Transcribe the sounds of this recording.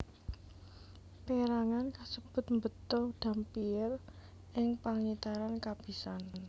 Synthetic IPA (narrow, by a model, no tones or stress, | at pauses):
peɾaŋankasəb̥ʊ̤t̪̚mbət̪ɔhd̪̥a̤mpiɪr | ɪŋpaŋit̪aɾankab̥i̤sanan